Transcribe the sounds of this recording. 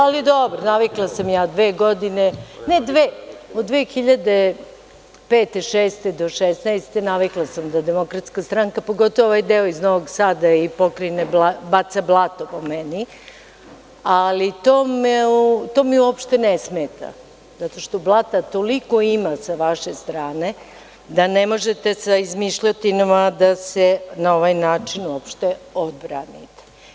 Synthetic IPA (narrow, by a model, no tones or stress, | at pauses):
alid̪obɾonaʋiklˠasamjaːd̪ʋeːɡod̪inened̪ʋeːod̪d̪ʋeːxiʎad̪e | peːt̪eʃeːst̪ed̪o̞ʃesnajst̪enaʋiklˠasamd̪ad̪emo̞kɾat̪skast̪ɾaŋkapo̞ɡo̞t̪o̞ʋooʋajd̪eoiznoʋoɡsaːd̪aipo̞kɾinebabat̪sablˠat̪opo̞meni | alit̪oːmeut̪o̞ːmiuopʃt̪enesmet̪a̰ | zat̪o̞ʃt̪oblˠat̪at̪oliko̞imasaʋaʃe̞st̪ɾaːne̞ | d̪anemo̞ʒet̪e̞saizmiʃʎat̪inamad̪asenao̞ʋajnaːt͡ʂinuopʃt̪eo̞d̪̚bɾa̰nḭt̪e̥